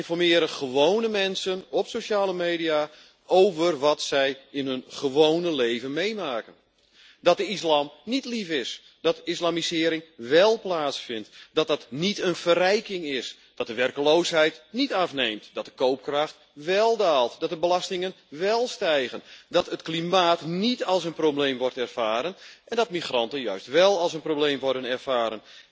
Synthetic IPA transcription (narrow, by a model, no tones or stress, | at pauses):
ɪnfɔrmɪːɾəχəʋoːnəmɛnsənɔpsoʃaːləmejdia | owvərʋɔtsɛjɪnɦɵnχəʋownəlejvənmejmaːkən | dɔt̚dəislaːmnitlifɪs | d̥ɔtislamisɪːɾɪŋʋɛlˠplaːtsfɪntd̥ɔt̚dɑtnitənfərɛjkɪŋɪs | d̥ɔt̚dəʋɛrkəloːsɦɛjtnitafnejmtdɔt̚dəkowp̚kraxt | ʋɛlˠdaːlˠtdɔt̚dəbəlastɪŋən | ʋɛlˠstɛjɣəndɔtətklimaːtnitɑlˠsənprowblejmʋɔrtɛrfaːɾənʔɛndɔtmixrɑntənjœɥstʋɛlˠɑlˠsənprowbleːmʋɔrdənɛrfaːɾən